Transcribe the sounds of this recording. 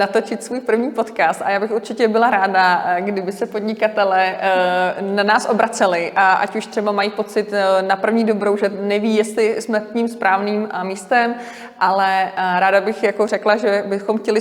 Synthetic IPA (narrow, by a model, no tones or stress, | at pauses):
nat̪ot͡ʃɪt̪svuːjpr̩vɲiːpo̞t̪kaːst̪a̰jaːbɪxuɾt͡ʃɪcɛbɪlaɾaːdaɡdɪbɪsɛpodɲɪkat̪ɛlɛː | nanaːsʔo̞bɾat͡sɛlɪʔaʔa̰cuʃt̪r̥ɛbamajiːpo̞t͡sɪt̪napr̩vɲiːdo̞bɾo̞wʒɛnɛviːjɛst̪lɪsmɛkɲɪmspɾʔaːvniːmmiːst̪ɛm | ʔalɛɾaːdabɪxjako̞r̝ɛklaʒɛbɪxomxcɛlɪ